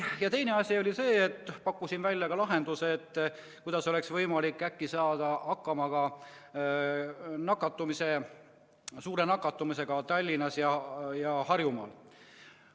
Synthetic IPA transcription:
jɑt̪e̞jne̞ɑsʲio̞lʲise̞ːt̪ːˑpɑkːusinvælʲːjɑkɑlɑɦe̞nd̪useːt̪ː | kujd̪ɑso̞le̞ksvɤjmɑlikːækːisɑːd̪̥ɑɑkːɑmɑɡ̥ɑ | nɑkːˑɑt̪ːˑumise̞ | suːɾe̞nɑkːˑɑt̪ːˑumise̞ɡ̥ɑt̪ɑlʲːinɑsjɑjɑhɑrjumɑ̰ːl

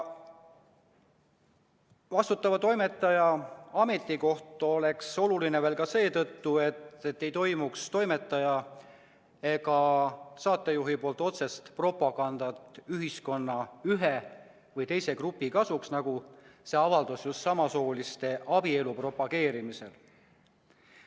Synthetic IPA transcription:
vɑst̪ut̪ːˑɑvɑt̪o̞jme̞t̪ːˑɑjɑɑme̞t̪ˑːiko̞ht̪ˑole̞kso̞lulineveːlkɑse̞ːt̪ɤt̪ːue̞t̪et̪ːe̞jt̪o̞jmukst̪o̞jme̞t̪ːˑɑjɑ | e̞kɑsɑːt̪ːˑejuɦipo̞ːlt̪ˑo̞t̪se̞st̪pro̞pːˑɑɡ̥ɑnd̪̥ɑt̪ˑyɦisko̞nːɑyɦe | vɤjt̪e̞jse̞krupːˑikɑsuksnɑɡ̥use̞ɑvɑld̪̥osjust̪sɑmɑsoːlist̪e̞ʔɑbie̞lupro̞pːˑɑɡ̥e̞ːɾimise̞l

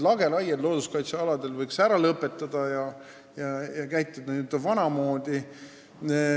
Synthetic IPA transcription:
lɑɡ̥e̞lɑjet̪lo̞ːd̪̥uskɑjt̪seɑlɑd̪e̞lvɤjksæɾɑlɤpːˑe̞t̪ːˑɑd̪̥ɑjɑ | jɑjɑkæjt̪ːˑed̪̥ɑut̪ːˑɑvɑnɑmo̞ːd̪̥i

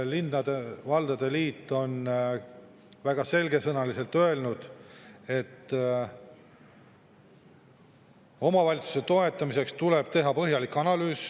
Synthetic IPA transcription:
linːɑd̪̥evɑld̪̥ɑd̪̥e̞liːt̪ːˑo̞n | væɡ̥ɑse̞lɡe̞sɤnɑlise̞lt̪ø̞e̞lnud̪̥e̞t̪ː | o̞mɑvɑlʲit̪su̥se̞t̪o̞e̞t̪ːˑɑmise̞kst̪ule̞b̥̚t̪e̞ɦɑpɤɦjɑlikːɑnɑlyːs

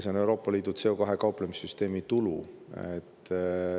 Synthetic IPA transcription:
seone̞wɾo̞ːpːˑɑliːd̪̥ut̪se̞o̞kɑɦe̞kɑuplemisːyst̪e̞ːmit̪uluḛt̪ː

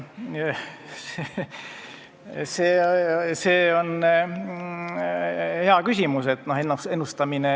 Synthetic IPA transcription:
se | seːse̞ːo̞n | he̞ɑkysʲimuse̞t̪ːˑno̞henːusenːust̪ɑmine

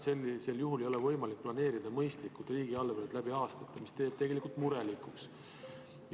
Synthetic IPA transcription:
selse̞ljuɦule̞jo̞levɤ̞jmɑlik̚plɑne̞ːɾid̪̥ɑmɤjst̪likːult̪ˑriːɡ̥iɑlvened̪læbiɑːst̪ɑt̪ːˑɑmist̪e̞ːb̥̚t̪e̞ɡe̞likult̪muɾe̞likˑuks

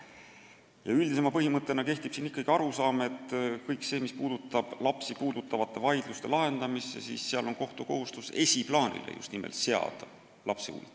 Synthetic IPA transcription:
jɑ̰yld̪ise̞mɑpɤɦimɤt̪ːˑe̞nɑke̞ht̪ib̥sinikːˑɑɡ̥iɑɾusɑːme̞t̪ːˑkɤjkse̞ːmispuːd̪̥ut̪ːˑɑb̥lɑpsipuːd̪̥ut̪ːˑɑvɑt̪ˑːe̞vɑjd̪̥lust̪e̞lɑɦe̞nd̪̥ɑmisːḛsḭːsːeɑlo̞nko̞ht̪uko̞ɦust̪use̞siplɑːnʲḭlʔḛjṵst̪nimʔḛlt̪se̞ɑ̰d̪̥ | lʔɑpseṵːlt̪

